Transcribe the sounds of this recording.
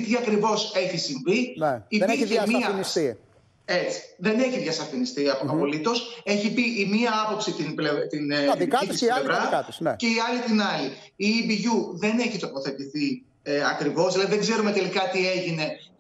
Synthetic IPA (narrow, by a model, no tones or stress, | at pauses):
t̪iɐkɾivo̞se̞çisiɱvinimemiɐnisi | e̞t͡si̥ðe̞ne̞çiðʝɐsɐfinist̪iɐpoɐpo̞lit̪o̞se̞çipiʔimiɐɐpo̞psit̪inblet̪iniɐiislevɾɐkɐt̪nceiɐlit̪inɐli | ibiʝuðe̞ne̞çit̪o̞po̞θe̞t̪iθi | eɐkɾivo̞selɐðiðeɡze̞ɾume̞t̪e̞likɐt̪ie̞ʝine̞